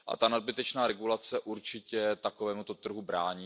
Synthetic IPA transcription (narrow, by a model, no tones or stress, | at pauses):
ʔa̰t̪anad̚bɪt̪ɛt͡ʃnaːɾɛɡulat͡sɛʔuɾt͡ʃɪcɛt̪akovɛːmut̪ot̪r̩ɦubɾaːɲi